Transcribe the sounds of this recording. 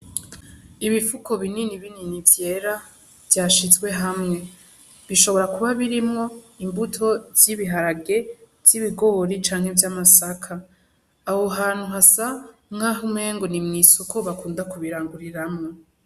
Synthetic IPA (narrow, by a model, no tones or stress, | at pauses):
iβifuko̞βininiβininivje̞ɾa | vjaːʃizɡwe̞ɦamŋe̞ | βiʃo̞βo̞ɾakuβaβiɾimŋo̞ | imbutʰo̞z̥iβiɦaɾaɡe̞ | v̥z̥iβiɡo̞βoɾit͡ʃaːŋ̥he̞vjamasakʰaː | hoɦaːn̥huɦasamhaɦume̞ːŋɡo̞nimŋiːsuko̞βakuːndakuβiɾaːŋɡuɾiɾamŋo